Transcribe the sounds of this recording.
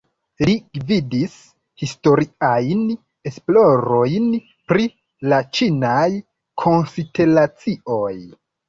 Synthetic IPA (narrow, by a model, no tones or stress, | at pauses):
liɡvidis | histo̞ɾiajn | e̞splo̞ɾo̞jn | pɾi | lat͡ʃinaj | kʰo̞nsidelat͡sio̞j